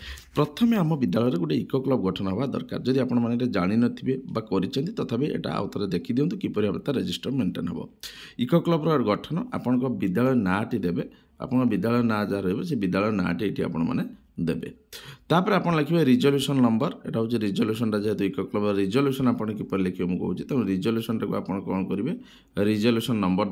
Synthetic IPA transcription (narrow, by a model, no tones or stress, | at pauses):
pɾɔt̪ʰɔmeamɔbid̪ːaɭɔjɾeɡuʈeikoklɔbɔɡɔʈʰɔnɔɦebad̪ɔ̰ɾka̰ɾd͡ʒɔd̪iapɔɽ̃ɔmaneɾed͡ʒaɽ̃inɔt̪ʰibebakɔɾit͡ʃʰɔnt̪it̪ɔt̪ʰabeʔḛʈa̰a̰wɔt̪ɔɾed̪ekʰid̪iwnt̪ikipɔɾiabet̪aɾed͡ʒisʈɔɾmeɳʈenɦḛbɔ̰ikɔklɔbɔɾɔɡɔʈʰɔnɔʔa̰pɔɽ̃ɔ̃ŋkɔbid̪ːaɭɔjnaːʈid̪ebe | a̰pɔɽ̃ɔbid̪ːaɭɔenad͡ʒaɾɔibesebid̪ːaɭɔjɔna̰ːʈieʈʰia̰pɔɽ̃ɔma̰ne | d̪ebḛt̪apɔɾeapɔɽ̃lekʰibaɾid͡ʒoljusɔnnɔmbɔɾḛʈaɦut͡ʃiɾid͡ʒoljusɔnʈad͡ʒaɦet̪uikɔklɔbɾɔɾid͡ʒoljusɔnapɔɽ̃kipɔɾilekʰibemũkɔ̰ɦut͡ʃʰi̥t̪ãɾid͡ʒoljusɔnʈakua̰pɔɽ̃ɔ̃kɔñɔkɔɾibe | ɾid͡ʒoljusɔnːɔmbɔɾ